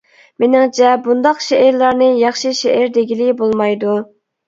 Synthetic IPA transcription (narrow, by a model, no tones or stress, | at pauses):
menɪŋt͡ʃʰɛbund̪ɑqʃeːɾlˠɑɾnɨjɑχʃiʃeʔːɾd̪eɡʲilɪbolˠmɑjd̪u